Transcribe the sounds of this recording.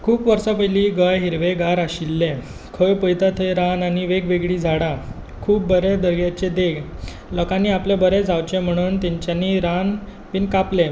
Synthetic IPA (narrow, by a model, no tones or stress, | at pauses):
kʰuːpʋəɾsapəjliɡəjɦiɾʋeɡaɾaɕilːẽ | kʰəjpəjt̪at̪ʰəjɾananiʋeɡʋeɡɭiːd͡zʱaɽa | kʰuːp̚bəɾed̪əɾɡjat͡ɕed̪eɡ | ləkanːiːaplebəɾed͡zʱawt͡ɕẽm̤əɽ̃uːnt̪ɛɲt͡ɕjaniɾan | piːnkaple